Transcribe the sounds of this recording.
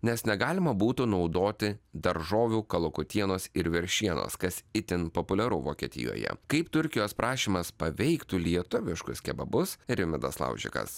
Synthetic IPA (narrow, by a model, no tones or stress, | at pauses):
nʲɛsnʲɛɡɑːlʲɪmɐbuːt̪ʊnɒʊd̪oːt̪ʲɪd̪ɐɾʒoːʋʲuːkɐlˠʊkʊt̪ʲiɛnoːsɪɾʋʲɪɾʲʃʲiɛno̰ːskɐsɪt̪ʲɪnpopʊlʲɛɾʊ̰ʋoːkʲiɛt̪ʲɪ̰jo̰ːjɛ̰kɐɪpt̪ʊɾʲkʲɪjoːspɾʔɑːʃʲiːmɐspɐʋʲɛɪkt̪uːlʲiɛt̪ʊʋʲɪʃkʊskʲɛbɐbʊsɾʲɪmʲɪd̪ɐslˠɐ̰ʊʒʲɪ̰kɐ̰s